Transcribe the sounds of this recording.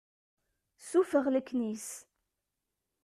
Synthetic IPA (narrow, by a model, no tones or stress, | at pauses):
sufəʁləkːnis